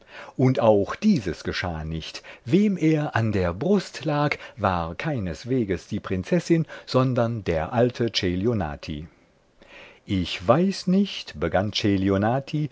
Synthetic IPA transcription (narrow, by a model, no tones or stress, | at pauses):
ʔʊntaʊxd̥iːzəsɡ̥əʃa̰ːnɪçtv̥eːmʔeːɐʔandeːɐbʁʊstlaːkvaːʁkʰaɪnəsv̥eːɡəsd̥iːpʁ̥ɪnt͡sɛsɪnz̥ɔndɐndḛːɐʔaltʰət͡ʃeljona̰ːtʰḭ | ʔɪçv̥aɪsnɪçtb̥əɡant͡ʃeljonaːtʰi